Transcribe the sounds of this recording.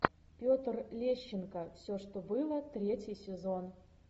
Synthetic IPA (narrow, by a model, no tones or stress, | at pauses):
pʲot̪rlʲeɕːɪnkəfsʲoʂt̪obɨlˠət̪ɾʲetʲjɪjsʲɪzon